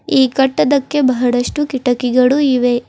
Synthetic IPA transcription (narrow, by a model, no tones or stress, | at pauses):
iːkɐʈːɐd̪ɐkːe̞bɐɦɐɽɐʂʈukiʈɐkiɡɐɭuiʋe